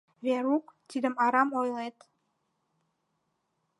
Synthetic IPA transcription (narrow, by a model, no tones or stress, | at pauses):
βeɾukt̪id̪əmɑɾɑmojlet̪